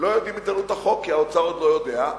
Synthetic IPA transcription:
lo̞jo̞d̪imit̪alut̪aχo̞kːiaot͡saʁod̪lo̞jo̞d̪e̞a

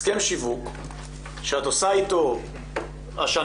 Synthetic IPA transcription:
kemʃivuk | ʃeat̪osait̪o | aʃa

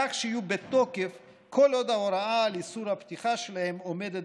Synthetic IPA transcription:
aχʃeijubet̪o̞kef | kʰo̞lo̞d̪aoɾaalisuɾhapt̪iχaʃelahe̞mome̞d̪et̪̚

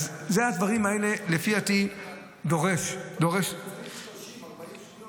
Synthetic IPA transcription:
zzead̪vaʁimhaele̞le̞fiati | d̪o̞ʁe̞ʃd̪oʁe̞ʃ

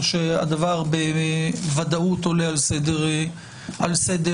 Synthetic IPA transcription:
ʃea̰d̪avaʁbevad̪aut̪olealsed̪eʁ | alsed̪e

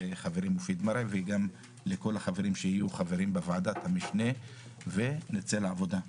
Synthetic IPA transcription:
eχaveʁimofid̪maɾeveɡam | leko̞laχaveɾimʃehijuχaveɾimbevad̪at̪hamiʃne̞ | ve̞net͡selaavo̞d̪a

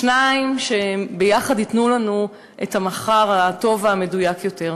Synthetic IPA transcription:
ʃnaimʃebejaχadhitnulanu | ʔethamaχaʁato̞vaːme̞dujakjote̞ʁ

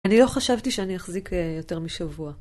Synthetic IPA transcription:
anilo̞χaʃavtiʃeanijaχzikejo̞te̞ʁmiʃavua

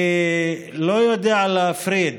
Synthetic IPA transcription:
lojod̪iʕalafɾiːd̪

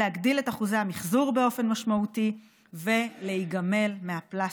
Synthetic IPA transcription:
eaɡdile̞taχuzehamiχzuʁbe̞o̞fe̞nmaʃmauti | ve̞le̞iɡame̞lmeapla

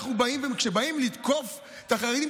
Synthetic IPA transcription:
χubaimvekʃebaimlit̪ko̞f | t̪aχaʁed̪im

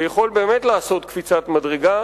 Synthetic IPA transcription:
jaχo̞lbe̞ːmet̪laːso̞t̪kfit͡sat̪madʁeɡa

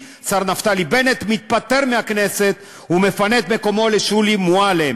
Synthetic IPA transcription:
saʁnaft̪alibenet̪mit̪̚pat̪eʁmeakneset̪ | umefanet̪me̞ko̞mo̞leʃulimuale

